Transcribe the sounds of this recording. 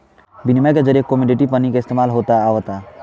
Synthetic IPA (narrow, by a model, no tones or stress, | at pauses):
bɪnimẽked͡ʒəɾjekomiɖiʈipənikaɪst̪eːmaːlɦoːt̪aːʋt̪a